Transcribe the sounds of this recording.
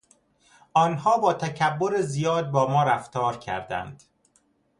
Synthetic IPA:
ʔɒːnhɒːbɒːt̪ʰæcʰæbːo̞ɾezijɒːd̪̚bɒːmɒːɾæft̪ɒːɾcʰæ̰ɾd̪æ̰nd̪̥

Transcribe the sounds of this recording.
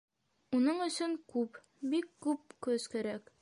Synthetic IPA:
unɤɴɵ̆sɵŋkʉp | bikːʉp̚kɵzkæɾæk

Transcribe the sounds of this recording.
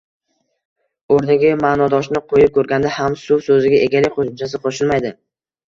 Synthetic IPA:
oɾnɪɡʲɪmaːnɒd̪ɒʃnɪqʰojɪp̚kʲʰɵɾɡʲand̪ahamsʊwsɵzɪɡʲaʔeɡʲalɪkʲqʰoʃʊmt͡ʃʰasɪqʰoʃɪlmajd̪ɪ

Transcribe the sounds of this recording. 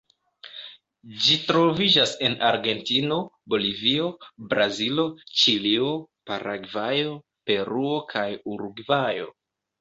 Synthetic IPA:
d͡ʒitɾo̞vid͡ʒase̞nʔaɾɡe̞ntino̞ | bo̞livio̞bɾazilo̞t͡ʃilio̞paɾʔaɡvajo̞ | pe̞ɾuo̞kʰajuɾuɡvajo̞̰

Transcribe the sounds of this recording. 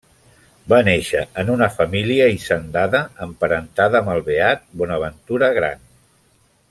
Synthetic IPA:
baneʃəənunəfəmiliəisənd̪aðəːmpəɾənt̪aðəːməlˠβeat̪̚bɔnəβənt̪uɾəɣ̞ɾa̰n

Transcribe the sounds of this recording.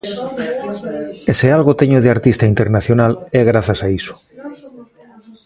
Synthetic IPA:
esealɣot̪eɲoð̞eaɾt̪ist̪aint̪eɾnaθjonaleɣ̞ɾaθasaiso̥

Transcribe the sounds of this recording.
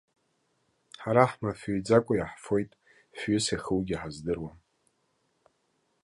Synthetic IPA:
ħaɾaħmafijd͡zakʷʼʊjaħfo̞jtʼ | fɥʏsaχəwɡʲiħazdɨrwa

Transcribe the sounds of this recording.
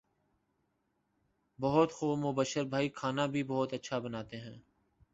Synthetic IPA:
bɔɦʊt̪xoːmʊbəʃəɾbʱaːikʰaːnaːbʱiːbɔɦʊt̪ətːʃʰabənaːt̪eɦɛ̃ː

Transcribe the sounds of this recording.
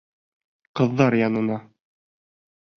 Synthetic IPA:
qɤ̆ðːɑɾjɑnɤ̆nɑ

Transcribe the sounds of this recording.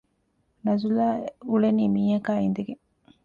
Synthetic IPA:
nɐzulaulenimiːɐkaːind̪eɡe

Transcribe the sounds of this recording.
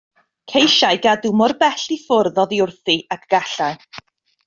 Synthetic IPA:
kʰejʃajɡadumɔrbɛɬifʊrðɔðiʊrθiʔakʰɡ̥aɬaj

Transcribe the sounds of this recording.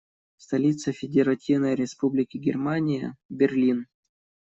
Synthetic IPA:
st̪ɐlʲit̪səfʲɪdʲɪɾɐtʲivnəjɾʲɪspublʲɪkʲɪɡʲɪrmanʲɪjə̰bʲɪrlʲin

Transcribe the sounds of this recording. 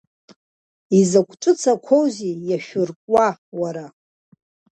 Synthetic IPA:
izakʷʰʈ͡ʂʼɨt͡sʰakʷʰowzijaʃᶣʊrkʼwawaɾa

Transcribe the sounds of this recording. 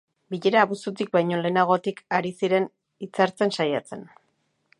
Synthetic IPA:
biʎe̞ɾaːβusut̪ik̚bajɲo̞le̞ːnaɣ̞o̞t̪ikaɾisiɾe̞n | it͡saɾt͡se̞nsajat͡se̞n

